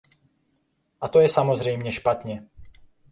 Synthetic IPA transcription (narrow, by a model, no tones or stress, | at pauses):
ʔat̪o̞jɛsamo̞zrɛjmɲɛʃpat̪ɲɛ